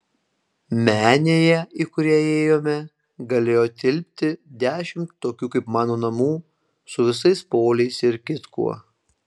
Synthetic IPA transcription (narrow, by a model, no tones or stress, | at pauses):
mʲæːnʲeːjɛiːkʊɾʲiɛeːjoːmʲɛ | ɡɐlʲeːjoːt̪ʲɪlʲpʲt̪ʲɪd̪ʲæːʃʲɪmt̪ːoːkʲuːkɐɪpmɑːnoːnɐmuː | sʊʋʲɪsɐɪspoːlʲɛɪsɪɾkʲɪt̪kṵɔ